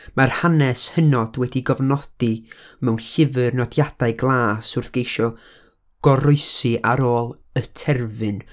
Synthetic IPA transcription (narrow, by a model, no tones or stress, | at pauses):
marhanɛshənɔd̥wɛdiɡɔvnɔd̥imɛwnɬɪvɨrnɔdjad̥aɨɡlˠaːsʊrθɡ̥ejʃɔ | ɡ̥ɔɾʊɨsiʔaɾoːlˠ | ətʰɛrvɨn